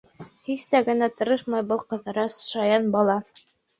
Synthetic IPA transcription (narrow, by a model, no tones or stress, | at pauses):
hist̪æɡɘ̆næt̪ɤ̆ɾɤʃmɑjbɤlˠqɤ̆ðɤ̆ɾɑsʃɑjɑnbɑlˠɑ